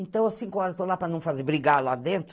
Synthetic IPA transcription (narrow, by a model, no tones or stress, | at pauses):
ẽnt̪ɐ̃w̃ɐsĩkʊɔɾɐzt̪olapɾɐnɐ̃w̃fazeɾbɾiɡalad̪ẽnt̪ɾ